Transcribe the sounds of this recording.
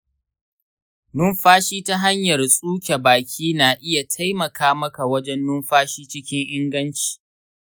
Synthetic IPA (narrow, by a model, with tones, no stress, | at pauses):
nʊ˦mɸaː˦ʃiː˦ta˦ɦa˦ɲjɐ˨rsʼuː˦kʲe˨baː˨kʲʰiː˦naː˨ʔɪ˦ja˨tʰa˦jmɐ˨kʰaː˦mɐ˦ka˨wɐ˦d͡ʒɛ˦nːʊ˦mɸaː˦ʃiː˦t͡ʃɪ˦kʲɪ˦ŋʔɪ˦ŋɡɐ˦nt͡ʃi̥ː˨